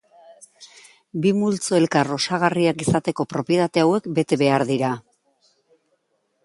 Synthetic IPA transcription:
bimult͡soe̞lkaro̞saɣ̞ariakisat̪e̞ko̞pɾo̞piet̪at̪e̞awe̞kbe̞t̪e̞βe̞aɾðiɾa

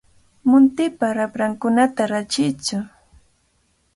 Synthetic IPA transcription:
mʊnt̪ɪpaɾapɾaŋkʊnat̪aɾat͡ʃɪt͡sʊ

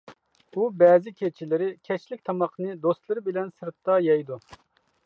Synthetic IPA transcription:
ubɛːzɪkʲʰet͡ʃʰilɪɾɪkʲʰɛt͡ʃlɪk̚ʲt̪ʰɑmɑqnɨd̪ost̪lˠɨɾɨbɪlɛnsɨɾt̪ːɑjɑjd̪u

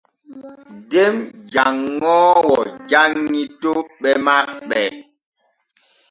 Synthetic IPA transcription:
demd͡ʒaŋːɔwɔd͡ʒaŋːitoɓɛmak̚ɓɛ

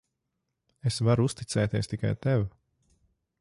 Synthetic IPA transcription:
esvaɾuust̪it̪sɛːt̪iɛst̪ika̰jt̪ɛw

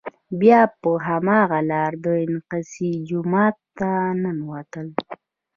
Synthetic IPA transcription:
bjɑpəɦamɑɣalɑɾd̪əɪnqasid͡ʒʊmɑt̪ːananwat̪əl

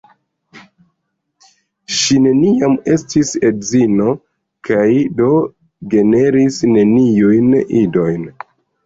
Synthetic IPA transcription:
ʃine̞niame̞stise̞dzino̞ | kʰajdo̞ | ɡe̞ne̞ɾisne̞nijujnido̞jn

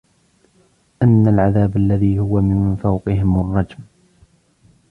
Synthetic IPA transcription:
ʔanːalʕaðaːbalːaðiːhʊwamɪnfawqɨɦɪmʊrˤːɑd͡ʒm

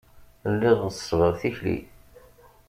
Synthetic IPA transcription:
lːɪðˤəsˤvəʁθiçlḭ

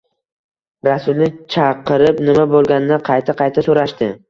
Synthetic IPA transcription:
ɾasʊlnɪt͡ʃʰɑqɨɾɪpnɪmabolˠɡʲanɪnɪqʰɑjt̪ʰaqʰɑjt̪ʰasoɾaʃt̪ɪ

